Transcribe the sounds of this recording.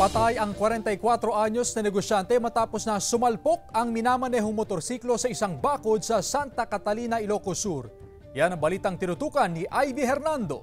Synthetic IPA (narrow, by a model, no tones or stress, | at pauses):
pɐt̪ajɐŋkwɐɾɛnt̪ɐjkwat̪ɾo̞ʔaɲo̞snɐnɛɡo̞ʃjant̪ɛmɐt̪aːpo̞snɐsʊmɐlpo̞k̚ɐŋmɪnaːmɐnɛɦoŋmot̪o̞ɾsiːklo̞sɐʔɪsaŋbaːkod̪̚sɐsant̪ɐkɐt̪ɐliːnɐɪlokosuɾ | janɐŋbɐliːt̪ɐŋt̪ɪnʊt̪uːkɐnːiʔajviɦɛɾnand̪o̞̰